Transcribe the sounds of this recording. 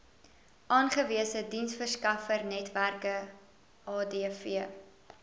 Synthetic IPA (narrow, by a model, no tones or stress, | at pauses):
ʔɑːnχəviəsədinsfərskɐfərnɛtværkə | ʔɑːdeːfiə